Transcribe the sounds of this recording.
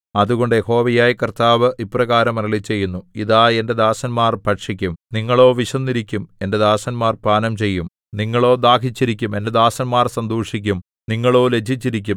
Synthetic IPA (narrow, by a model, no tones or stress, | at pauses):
ɐðuɣo̞ɳɖɨjeho̞ːʋɐjaːjikɐrt̪aːʋɨʔiprɐɣaːɾɐmɐɾɐɭit͡ɕːe̞jːunːuiðaːe̞nde̞d̪aːsɐnmaːrpɐʈʂikʲːumniŋːɐɭo̞ːʋiʂɐnːiɾikʲːume̞nde̞d̪aːsɐnmaːrpaːnɐmt͡ɕe̞jːum | niŋːɐɭo̞ːd̪aːkʰit͡ɕːiɾikʲːume̞nde̞d̪aːsɐnmaːrsɐnd̪uːʂikʲːum | niŋːɐɭo̞ːle̞d͡ʑʱit͡ɕːiɾik̬ʲːum